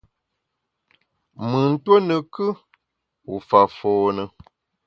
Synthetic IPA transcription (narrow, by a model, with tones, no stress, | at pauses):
mɨ˨n̩˦two˦nə˨kɨ˦ | u˨fa˨foː˨nə˨